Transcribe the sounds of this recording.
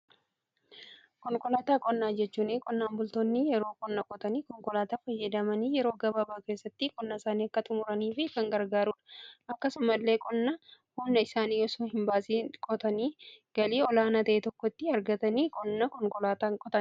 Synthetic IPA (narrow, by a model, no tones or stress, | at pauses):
kɔŋkʼɔlaːt̪aːkʼɔnːaːd͡ʒɛt͡ʃːuːnɪkʼɔnːaːmbʊlt̪oːnːɪjɛɾoːkʼɔnːɐkʼɔt̪ɐniːkɔŋkʼɔlaːt̪aːfɐjːɐd̪ɐmɐniːjɛɾo̞ːɡɐbɐbaːke̞ːsːɐt̪ːɪkʼɔnːɐsaːniːɐkːɐt̪ʊmʊɾɐniːfɪkɐŋɡɐɾɡaːɾuːᶑɐ̥ʔɐkːɐsʊmɐlːe̞ːkʼɔnːɐ | hʊnːɐɪsaːniːjɔsoːhɪmbaːsiːkʼɔt̪ɐniːɡ̥ɐliːɔlaːnat̪ɐʔet̪ɔkːɔt̪ːɪɐɾɡɐt̪ɐniːkʼɔnːɐkɔŋkʼɔlaːt̪aːŋkʼɔt̪ɐn